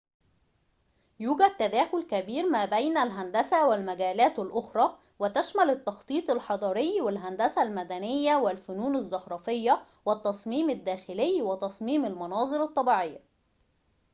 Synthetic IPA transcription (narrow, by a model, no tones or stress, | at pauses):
juːɡæd̪̚t̪ːæd̪æːxʊlkæbiːɾmæːbæjnælɦænd̪æsæwɪlmæɡæːlæːt̪ɪlʔoxɾˤɑː | wɪt̪æʃmælɪt̪ːɑxt̪ˤiːt̪ˤɪlħɑd̪ˤɑːɾˤejːwɪlɦænd̪æsælmæd̪ænɪjːæwɪlfʊnuːnæzːɑhɾˤɑːfejːæ | wɪt̪ːɑsˤmiːmɪd̪ːæːxɪlejːwɪt̪ɑsˤmiːmælmɑnɑːzˤɨɾɑt̪ˤːɑbiːʕejːæ